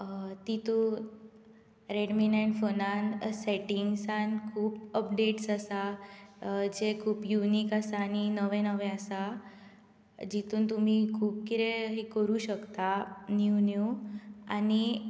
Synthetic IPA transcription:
t̪it̪u | ɾeɖmineɳʈfonanseʈiŋɡsankʰuːpəp̚ɖeʈsasa | d͡ʑekʰuːpjuniːkasaːñinəʋẽnəʋẽasa | d͡ʑit̪uːnt̪um̤ikʰuːp̚kiɾeɦekəɾuːɕəkt̪anjunjua̰ni

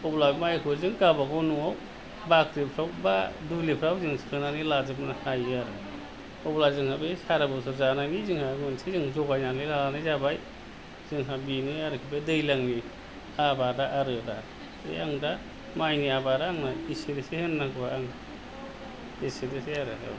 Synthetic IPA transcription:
ɔblabmajkʰuɾzɯŋɡabaɡɔnuaw | bakɾipʰɾawbadulipʰɾawzɯŋsʰɯnanɯlazɯpnahajaɾɯ | ɔblazɯŋhabesaɾabɯs̬ɯɾzananizɯŋhaɡɯnsezɯŋzɔɡajnanɯjlalanɯjzabaj | zɯŋɦabinɯjaɾɯkʰibedɯjlaŋni | abadaʔaɾɯda | ḛaŋda | majniabaɾaːŋnaisedesehenːakʰɯbaaŋ | isedeseaɾɯsa̰w

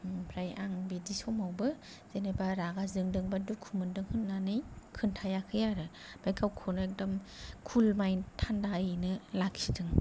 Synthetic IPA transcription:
pʰɾajaŋbedisɔmawbɯ | z̥enebaɾaɡazɯŋdɯŋbadukʰumɯndɯŋhɯnːanɯjkʰɯntʰajakʰɯjaɾɯ | b̥ajkʰawkʰɯnɯek̚dɔmkʰulmajntʰandajnɯlaksi̥dɯŋ

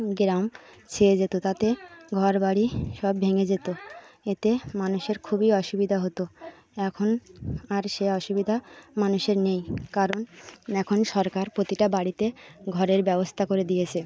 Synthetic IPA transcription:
ɡɾamt͡ɕʰeed͡ʑet̪ot̪at̪eɡʱɔɾbaɽiʃɔbbʱeŋed͡ʑet̪oet̪emanuʃeɾkʰubiɔʃubid̪ʱaɦot̪o | ɛkʰonaɾʃeɔʃubid̪ʱamanuʃeɾnejkaɾonɛkʰonʃɔɾkaɾpɾot̪iʈabaɽit̪eɡʱɔɾeɾbɛbost̪ʰakoɾed̪ijet͡ɕʰe

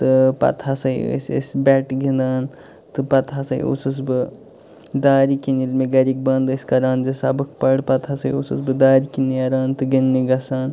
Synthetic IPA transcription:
t̪ɨpɐ̰t̪ʰasɐjə̰sə̰sbʲɛʈɡĩnd̪aːn | t̪ɨpɐt̪ʰasɐḭʔṵsɨs̬bɨ | d̪aːɾikinilmeɡɐɾik̚bɐnd̪ɨsʲkɐɾaːnd͡ʒɐsɐbɨk̚ʰpɐɽpɐt̪ʰasɐjusṵsbɨd̪aːɾikinːiɐɾaːnt̪ɨɡinːiɡɐsaːn

